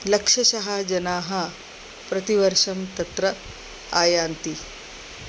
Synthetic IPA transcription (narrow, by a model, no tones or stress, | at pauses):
lɐkʂɐsɐɦad͡ʒɐnaːɦɐ | pɾɐt̪iʋɐɾʂɐmt̪ɐt̪ɾɐ | aːjaːnt̪i